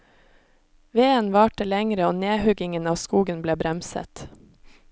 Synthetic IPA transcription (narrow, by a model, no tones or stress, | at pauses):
ʋeːənʋɑːʈəlɛŋɾəoːneːhʉɡɪŋənɑːskuːɡənbleːbɾɛmsə̰t̪